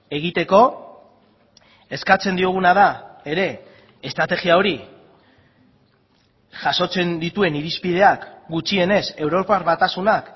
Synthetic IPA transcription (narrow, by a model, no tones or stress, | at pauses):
e̞ɣ̞it̪e̞ko̞ | e̞skat͡se̞nd̪io̞ɣ̞unað̞ae̞ɾe̞ː | st̪ɾat̪e̞ɣiao̞ɾi | ʝaso̞t͡se̞nd̪it̪ue̞niɾispið̞e̞akɡut͡ʃie̞ne̞se̞wɾo̞paɾβat̪asunak